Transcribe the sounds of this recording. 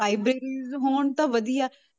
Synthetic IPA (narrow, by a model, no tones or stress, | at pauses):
aːɪbɾeːɾiːzɦoːɳt̪ãːʋəd̪ijaː